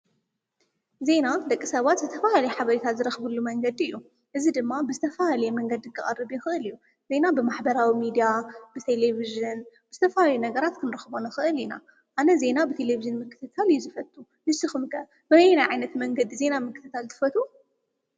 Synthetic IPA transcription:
ze̞nad̪ɐkʼːisɐβat̪zɨt̪ʰɐfahalɐjɛħaβɐɾit̪ʰazɨɾɐxbɨlːumɐŋɡɐd̪iɨjːu | ʔɨzid̪ɨmːabɨzɨt̪ʰɐfahalɐjɛmɐŋɡɐd̪ɨkʰʼːɐχʼɐ̰rːɨβjixɨʔɨlɨjːu | ze̞nabɨmaħbɐɾawimid̪ijabɨt̪ʰeleviʒɨnb̥ɨzɨt̪ʰɐfahaljunɐɡɐɾat̪kʰɨnɾɐxbonɐxɨʔɨlina̰ | ʔanɐze̞nabɨt̪ʰe̞leviʒɨnmɨkʰːɨt̪ʰɨt̪ʰalɨjːuzɨfɐt̪ʼːu | nɨsɨxɨmkʰɐ | bjnajʕajnɐt̪mɐŋɡɐd̪ize̞namɨkʰːɨt̪ʰɨt̪ʰalt̪ʰɨ̥fɐt̪ʰʼu

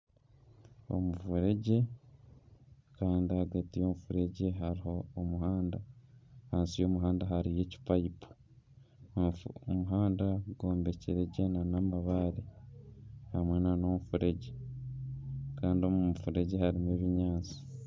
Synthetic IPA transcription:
o̞̰mufuɾe̞ɟe̞ | kaːndihaɡatijo̞mufuɾe̞ɟe̞ɦaɾiho̞ːmuhaːndahaːnsijo̞ːmuɦaːndaɦaɾije̞ci̥paipu̥ | omuɦaːndaɡo̞ːmbe̞ceɾeɟenanamaβaɾi | hamwe̞nano̞mufuɾe̞ɟe̞ | kaːndio̞mumufuɾe̞ɟe̞haɾimeːβiɲaːt͡si̥

